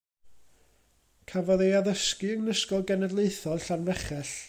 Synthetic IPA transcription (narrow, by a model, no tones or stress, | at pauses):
kʰavɔðejaðəskɨəŋnəskɔlˠɡɛnɛdlˠeɨθɔlɬanvɛχɛɬ